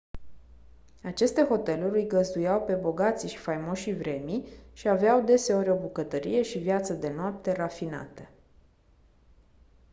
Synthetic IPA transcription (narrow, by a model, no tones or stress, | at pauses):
at͡ʃe̞st̪e̞xo̞t̪e̞luɾʲɨjɡəzd̪ujawpe̞bo̞ɡat̪siʃi̥fajmo̞ʃivɾe̞miʃiaveawd̪e̞se̞o̞ɾʲo̞bukət̪əɾije̞ʃivjat̪səd̪e̞noap̚t̪e̞rafina̰t̪ə